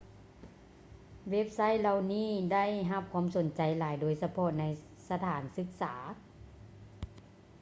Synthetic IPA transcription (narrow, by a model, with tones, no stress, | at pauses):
we˦˥p̚sa˥˩˨jla˧wniː˥˩da˥˩˨jɦa˧p̚kʰwuː˧˥˨mso˩˦nt͡ɕa˨˩jlaː˨˦jdoː˧˦jsa˧pʰɔ˧na˧j | sa˧t̪ʰaː˩˦nsɯ˧˦k̚saː˩˦